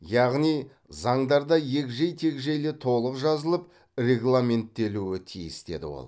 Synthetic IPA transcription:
jɑʁnij | zɑɴd̪ɑɾd̪ɑje̞kʒejt̪ʰe̞kʒejle̞t̪ʰo̞lˠəqʒɑzəlˠəp | rʲe̞ɡlˠamʲe̞nt̪ːe̞luɪt̪ʰijɪsd̪e̞̰d̪ɪ̰wo̰lˠ

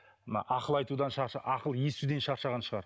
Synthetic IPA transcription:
mənɑ̰ʔɑqəlˠɑjt̪ud̪ɑnʃɑɾʃɑʔɑqəlˠje̞st̪ud̪e̞nʃɑɾʃɑʁɑnʃəʁɑɾ

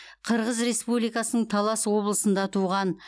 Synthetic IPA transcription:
qʰəɾʁəzɾe̞spublijkɑsənəɴt̪ʰɑlˠɑswo̞blˠəsənd̪ɑt̪ʰuʁɑn

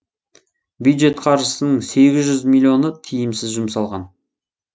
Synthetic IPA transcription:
bjujd̪ʒe̞t̪qʰɑɾʒəsənəɴse̞ɡʲɪzʒʏzmilʲːio̞nət̪ʰijɪmsɪzʒʊmsɑlˠʁɑn

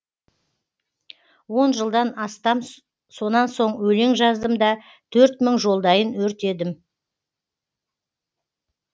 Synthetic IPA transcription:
wo̞nʒəlˠd̪ɑnɑst̪ɑm | so̞nɑnso̞ɴwɵle̞ŋʒɑzd̪əmd̪ɑ | t̪ʰɵɾt̪məŋʒo̞lˠd̪ɑjənwɵɾt̪e̞d̪ɪm

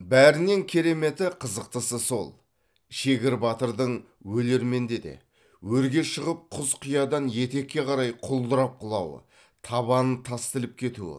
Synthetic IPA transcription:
bæɾɪne̞ŋkʲʰe̞ɾe̞me̞t̪ɪqʰəzəq̚t̪əsəso̞̰lˠ | ʃe̞ɡʲɪɾbɑt̪əɾd̪əɴ | wɵle̞ɾme̞nd̪e̞d̪e̞̰ | wɵɾɡʲe̞ʃəʁəp̚qʰʊzqʰʊjɑd̪ɑnje̞t̪e̞kʲːe̞qʰɑɾɑjqʰʊlˠd̪əɾɑp̚qʰʊlˠɑwə̰ | t̪ʰɑβɑnənt̪ʰɑst̪ɪlɪp̚kʲʰe̞t̪ṵɪ̰

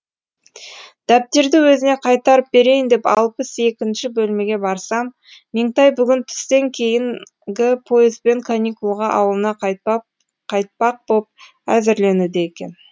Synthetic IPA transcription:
d̪̥æp̚t̪e̞ɾd̪ɪwɵzɪne̞qʰɑjt̪ɑɾəp̚be̞ɾe̞jɪnd̪e̞pɑ̰lˠpəse̞kʲɪnʃɪbɵlme̞ɡʲe̞bɑɾsɑmː | eŋt̪ɑjbʏɡʲɪnt̪ʰʏ̥st̪e̞ŋkʲʰe̞jɪŋ | ɡʲɪpʰo̞jɪzbe̞ŋkʰanʲikulˠʁɑʔɑ̰wəlˠənɑq | qʰɑjt̪̚pɑq̚bop̚ | æzɪɾle̞nud̪eekʲe̞̰n

